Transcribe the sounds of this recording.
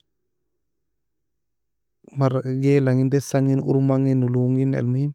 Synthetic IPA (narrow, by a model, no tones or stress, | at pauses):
maɾɡelaŋindesaŋinṵɾmaŋinːuluŋɡinḛlmuin